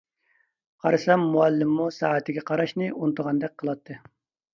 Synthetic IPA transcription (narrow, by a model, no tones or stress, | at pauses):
qʰɑɾɨsɛmːuælːɪmːusɑːɛt̪ʰɪɡʲɛqʰɑɾɑʃnɨʔunɨt̪əʁɑnd̪ɛk̚ʲqʰəlˠɑt̪ʰːɨ